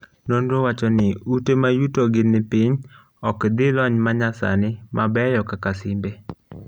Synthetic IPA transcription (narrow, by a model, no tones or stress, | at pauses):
nondowat͡ʃɔnɪutemajutoɡɪnɪpiɲ | ɔkd̪ɪlɔɲmaɲasa̰nɪmʔabɛjɔkakasɪmbe